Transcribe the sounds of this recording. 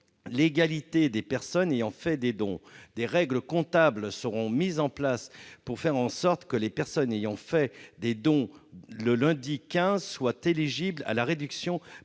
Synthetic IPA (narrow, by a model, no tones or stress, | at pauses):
leɡalit̪ed̪epɛʁsɔnejɑ̃fɛd̪ed̪ɔ̰̃d̪eʁɛɡləkɔ̃t̪ablsəʁɔ̃mizɑ̃plaspuʁfɛʁɑ̃sɔʁt̪kəlepɛʁsɔnejɑ̃fɛd̪ed̪ɔ̃ləlɛ̃d̪ikʲɛ̃zswat̪eliʒibla̰laʁed̪yksjɔ̃